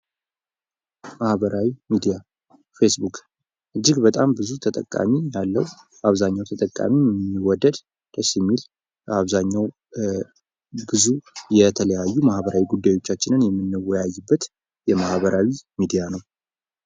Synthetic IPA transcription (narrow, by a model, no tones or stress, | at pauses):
mahβəɾʔawimid̪ija | fesbukʼ | ʔɨd͡ʒːɪɡbət̪ʼambɨzut̪ʰət̪ʼəkʼːa̰mijalːəw | aβzaɲːawt̪ʰət̪ʼəkʼːa̰mimɛmmːiwɔd̪ːəd̪ | d̪əsimːil | aβzaɲːaw | bɨzujɛt̪ʰələjajːumahβəɾawiɡud̪ːajo̞t͡ʃːat͡ʃːɪnɨnjɛmːɨnːɨwɔjajːɨbːət̪ | jɛmahβəɾawimid̪ijanəw